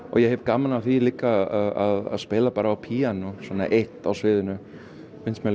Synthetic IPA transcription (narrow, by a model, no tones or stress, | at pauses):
ɔ̰jɛhɦɛvkamːanaθiliːkːaaðaða̰ðspɪːlapaːɾaːwpʰiːanʊsvɔːnːa̰ʔeht̪awsvɪːðɪnʏ | fɪnsmɛ